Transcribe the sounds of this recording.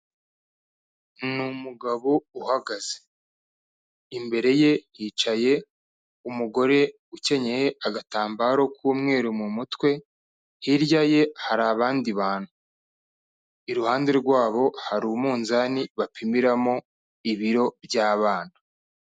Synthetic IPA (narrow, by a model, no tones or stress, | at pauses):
numuɡaβouhaɡaz̥e̥ | imbe̞ɾe̞je̞jiːt͡ʃaje̞ | umuɡo̞ɾe̞ | uce̞ɲe̞he̞aɡataːmbaɾo̞kuːmŋe̞ːɾumumutwe̞ | hiɾjaje̞haɾaːβaːndiβaːnhu | iɾuhaːnde̞ɾɡwaːβo̞haɾuːmuːnzaniβapʰimiɾamo̞ | iβiɾo̞bjaːβaːnḁ